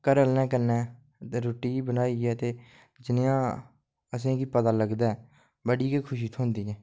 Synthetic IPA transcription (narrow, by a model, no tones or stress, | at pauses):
kəɾəlnɛːkənɛː | t̪eːɾoːʈiːbənaːiːɛːt̪eː | d͡ʒɪnjãː | əs̬ẽːkiːpət̪aːləɡd̪aː | bəɽiːkeːkʰʊʃiːt̪ʰõːnd̪iːɛ̃ː